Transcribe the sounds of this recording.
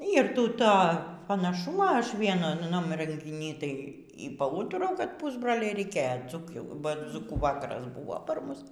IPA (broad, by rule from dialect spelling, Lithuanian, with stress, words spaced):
ˈiːr ˈtʲiː ˈtoː pɐnɐˈʃʊmoː ˈɐʃ ˈʋʲiɛnʊnɐm rʲɛŋʲɡʲɪˈnʲiː ˈtɐɪ iː pɐˈuːtʊrɐʊ kɐt ˈpʊzbroːlʲɛɪ rʲɛɪˈkʲeːjoː ˈd͡zuːkʲuː bɐ ˈd͡zuːkuː ˈʋɑːkɐrɐs ˈbʊʋoː ˈpɐr ˈmʊs